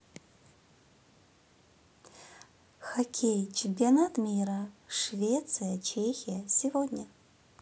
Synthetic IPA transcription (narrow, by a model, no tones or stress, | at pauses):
xakʲʰejt͡ʃʰimpianat̪mʲiɾɐʂvʲet̪sɨjɐt͡ʃʰexʲijɐsʲivodʲnʲɐ